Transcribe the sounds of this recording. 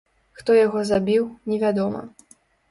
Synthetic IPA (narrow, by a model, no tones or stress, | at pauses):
xt̪ɔjaɣɔzabʲiwnʲɛvʲad̪ɔmɐ̰